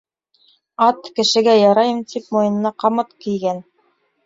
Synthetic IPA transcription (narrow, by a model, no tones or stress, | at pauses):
ɑt̪kɘ̆ʃɘ̆ɡæjɑɾɑjɤ̆mt̪ʰip̚mojɤ̆nɤ̆nɑqɑmɤt̪kijɡæn